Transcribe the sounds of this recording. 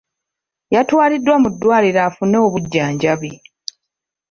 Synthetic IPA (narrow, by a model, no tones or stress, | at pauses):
jatwaːlidːwamudːwaːliɾaːfuneoβuɟːaːɲɟaβi